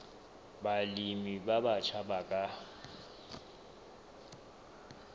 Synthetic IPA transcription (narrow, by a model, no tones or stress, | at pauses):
balimibabat͡ʃʰabakʼa